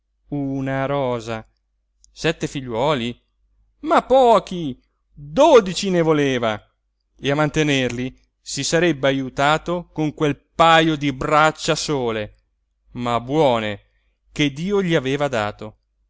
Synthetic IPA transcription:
unaɾɔːza | sɛt̪ːefiʎːwɔːli | mapːɔːk̟i | d̪od̪it͡ʃinevoleːva | eamːant̪enerli | sisaɾɛbːeajut̪aːt̪okoŋkwelpajod̪ibɾat͡ʃːasoːle | mabwɔːne | ked̪ːiːoʎiaveːvad̪aːt̪o

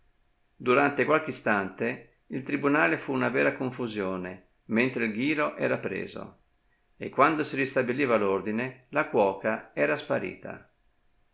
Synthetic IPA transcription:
d̪uɾant̪ekwalk̟eist̪ant̪e | ilt̪ɾibunaːlefuːnavɛːɾakoɱfuzjoːne | ment̪ɾeilɡ̟iːɾoʔɛ̰ːɾapɾḛːzo̰ | ekːwand̪osirist̪abiliːvalord̪inelakwɔːkaɛːɾaspaɾḭːt̪a̰

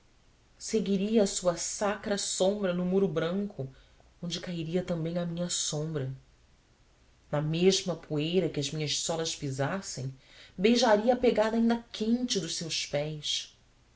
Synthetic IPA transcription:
seɡiɾiɐːsuɐsakɾɐsõmbɾɐnʊmuɾʊbɾɐ̃ŋkʰʊ | õnd͡ʒɪkaiɾiɐt̪ɐ̃mbẽj̃ɐmĩɲɐsõmbɾɐ | nɐmeʒmɐpʰuejɾɐkɪɐzmĩɲɐʃsɔlɐʃpizasẽj̃ | bejʒaɾiɐapeɡad̪aːĩnd̪ɐkʰẽnt͡ʃɪd̪ʊʃsewspɛjs

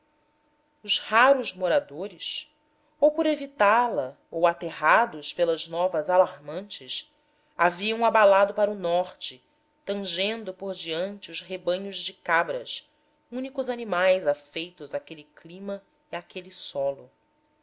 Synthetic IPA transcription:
ʊʃhaɾʊzmoɾad̪oɾɪs | owpoɾevit̪alɐ | owat̪eɦad̪ʊspelɐznɔvɐzalaɾmɐ̃nt͡ʃɪs | aviɐ̃w̃abalad̪ʊpaɾʊnɔχt͡ʃɪ | t̪ɐ̃ʒẽnd̪ʊpoɾd͡ʒiɐ̃nt͡ʃɪʊzɦebɐ̃ɲʊzd͡ʒɪkabɾɐs | ũnikʊzanimajzafejt̪ʊzakeliklĩmɐ | iakʰelisɔlʊ

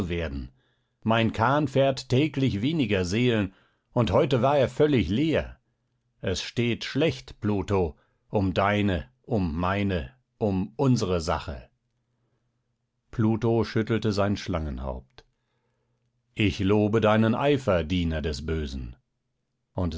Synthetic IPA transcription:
uveːɐdn̩ | maɪnkʰaɐnfɛːɐtːʰɛːklɪçv̥eːnɪɡɐzeːlən | ʊnthɔʏtəvaːɐeːɐfœlɪçleːɐ | ʔɛsʃteːtʃlɛçtpluːto | ʔʊmdaɪnə | ʔʊmːaɪnə | ʔʊmʔʊnzəʁəza̰χə̰ | pʰluːtoʃʏtl̩təzaɪnʃlaŋənha̰ʊp̚t | ʔɪçloːbədaɪnənʔaɪfɐdiːnɐdɛsb̥øːzn̩ | ʔʊnt

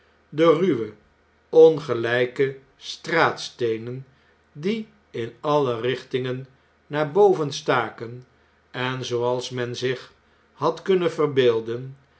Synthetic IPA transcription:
dəryʋə | ɔnχəlɛjkə | straːtstejnən | di | ɪnɑlərɪχtɪŋənː | aːɹbowvənstaːkən | ɛnzowɑlˠsmɛnzɪχ | hɑtkɵnəvərbeːlˠdən

